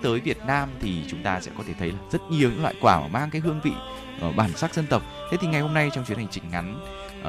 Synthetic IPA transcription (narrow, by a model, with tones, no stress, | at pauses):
t̪əː˨˦jvi˨˩ət̚naː˧mt̪ʰi˨˩t͡ɕʊ˨˦ŋ͡mt̪aː˧sɛ̰˧˥kɔ˨˦t̪ʰe˧˩t̪ʰə˨˦jlaː˨˩zə˦˥t̚ɲi˨˩əwɲɨ̰˧˥lwa̰ː˧˨jkwaː˧˩ma̰ː˨˩maː˧ŋkaː˨˦jɦɨ˧əŋvḭ˧˨ | ʔə˧˩ɓaː˧˩nsaː˦˥k̚zə˧nt̪ə˨˩wk͡p̚t̪ʰe˨˦t̪i˨˩ŋa˨˩jho˧mna˧jt͡ɕɔ˧wŋ͡mt͡ɕwi˨˦ənha˨˩ŋ̟t͡ɕï˨˩ŋ̟ŋa˨˦n